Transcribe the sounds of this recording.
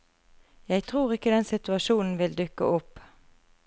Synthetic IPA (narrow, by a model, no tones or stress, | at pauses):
jæɪt̪ʰʁuːʁɪkːəd̪ɛnsɪt̪ʉɑʃuːnn̩ʋɪld̪ʉkə̰ʔʊpː